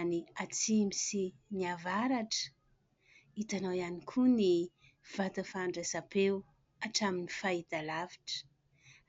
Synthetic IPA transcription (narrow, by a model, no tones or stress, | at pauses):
niat͡simisiniavaɾaʈ͡ʂə̥ | it̪anawjanikʰuni | v̥at̪əfaɳɖ͡ʐazapew | aʈ͡ʂaminifaid̪alaviʈ͡ʂə̥